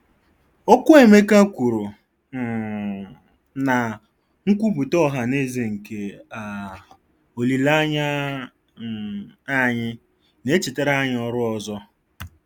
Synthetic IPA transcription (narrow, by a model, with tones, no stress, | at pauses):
o˦kʷʊ˦e˨me˦ka˦kʷu˨ɾu˨ | na˨ | ŋ̩˦kʷu˦bu˨tɔ˦˨ɦa˨ne˦ze˨ŋ̩˨ke˨a˨ | o˨li˨la˦ɲa˦˨ | a˦ɲɪ˦ | ne˦t͡ʃi˨te˦ɾa˦ɲɪ˦ɔ˦ɾʊ˦ɔ˨zɔ˦